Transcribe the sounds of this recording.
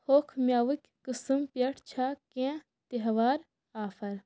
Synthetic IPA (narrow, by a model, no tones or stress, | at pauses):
hoːkʰmjaːʋɨkʲkɨsɨmpjɐʈʰt͡ʃʰaːkẽː | t̪eɦɐʋaːɾ | aːfɐɾ